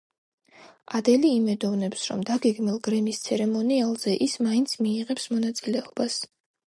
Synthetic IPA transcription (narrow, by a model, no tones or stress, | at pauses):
ad̪ɛliːmɛd̪ɔvnɛpsɾɔ̰md̪aɡɛɡmilˠɡɾɛmist̪sʰɛɾɛmɔnialˠz̥ɛʔismaint̪sʰmiːʁɛpsmɔnat̪sʼilɛɔbas